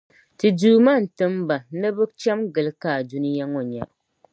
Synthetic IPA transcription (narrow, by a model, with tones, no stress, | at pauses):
tɨ˨duː˨˦ma˦n̩˨tɨ˦mba˨nɨ˦bɨ˦t͡ʃɛ˦mɡɨ˨lɨ˦kaː˦˨du˦nɨ˦ja˦ŋo˨ɲa˨ʔ